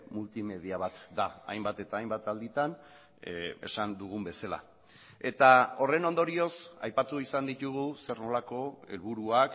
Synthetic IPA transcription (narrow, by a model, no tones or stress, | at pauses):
mult̪ime̞ð̞iaβ̞at̪d̪aajmbat̪e̞t̪aːjmbat̪ald̪it̪an | e̞̰sand̪uɣ̞umbe̞sala̰ | e̞t̪ao̞re̞no̞nd̪o̞ɾio̞sa̰jpat̪uisand̪it̪uɣ̞use̞ɾno̞lako̞e̞̰lβuɾuak